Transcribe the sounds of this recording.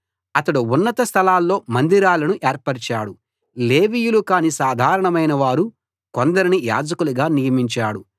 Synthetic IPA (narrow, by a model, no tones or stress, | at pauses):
ɐt̪ɐɽuunːɐt̪ɐst̪ʰɐlaːlːo̞ːmɐnd̪iɾaːlɐnuʔeːɾpɐɾt͡ʃaːɽu | leːʋijulukaːnisaːd̪ʱaːɾɐɳɐmɐjnɐʋaːɾu | kond̪ɐɾinija̰ːd͡ʒɐkuluɡaːnijɐmiɲt͡ʃaːɽu